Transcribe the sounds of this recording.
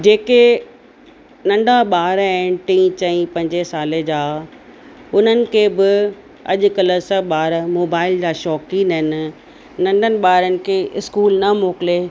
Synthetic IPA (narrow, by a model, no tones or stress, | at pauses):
d͡ʑeːke | nɐ̃ɳɖʱaɓaːɾɛ̃ːʈĩːt͡ɕɐ̃ĩpɐ̃ɪɲd͡ʑesaːled͡ʑaː | ʊn̤ənɪ̆kʰeːbɪ | ɐ̰ʄʊkɐləsəɓaːɾmoːbaːɪld͡ʑaːʃɔːkĩːnəɦɪnɪ̆ | nɐ̃ɳɖʱənɪ̆ɓaːɾənɪ̆kʰeʔɪskuːlnɐmoːkɪleː